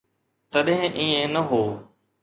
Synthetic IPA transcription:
t̪əɗɦɪ̃ʔiːẽnəɦoː

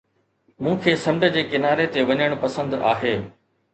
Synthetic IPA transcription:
mũːkʰeːsɐ̃md͡ʑə̆d͡ʑeːkɪnaːɾet̪eʋɐɲəɽ̃pɐsə̃nd̪a̰ːɦeː

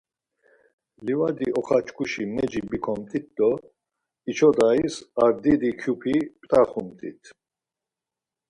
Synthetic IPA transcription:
livad̪iɔχat͡ʃʰkʰʼuʃimɛd͡ʒibikʰɔmt̪ʼit̪̚d̪ɔ | it͡ʃʰɔd̪aisaɾd̪id̪ikʰjupʰipʼt̪ʼaχumt̪ʼḭt̪ʰ

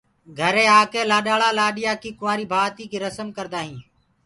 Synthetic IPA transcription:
ɡʱəɾẽːaːkeːlaːɗaːɭaːlaːɗɪjaːkiːkʊʋaːɾiːbʱaːt̪iːkiːɾəsəmkəɾd̪aːɦĩː

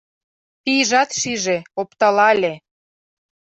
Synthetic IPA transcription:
piʒɑt̪ʃiʒeopt̪ɑlɑlʲe

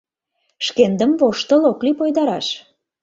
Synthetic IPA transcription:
ʃkend̪əmvoʃt̪ə̆loklipojd̪ɑɾɑʃ

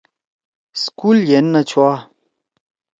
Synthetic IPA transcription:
skuljenːɐt͡ɕʰwa

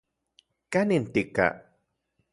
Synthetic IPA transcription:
kanint̪ika̰

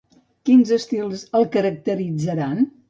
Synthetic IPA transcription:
kinzəst̪ilˠzəlˠkəɾək̚t̪əɾid͡zəɾan

